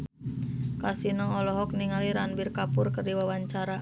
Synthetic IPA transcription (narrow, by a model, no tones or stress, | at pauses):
kasinɔŋɔlɔɦɔk̚niŋaliɾanbirkapʊrkərdiwawaɲt͡ʃaɾa